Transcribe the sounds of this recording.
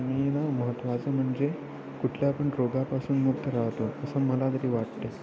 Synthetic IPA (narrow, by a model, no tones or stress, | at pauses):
nienaməɦət̪ːʋat͡səm̤əɳd͡ze | kuʈʰljaːpəɳɾoɡapasuːnmuɡt̪ʰəɾaɦt̪oəsəːməlad̪əɾiːʋaʈt̪e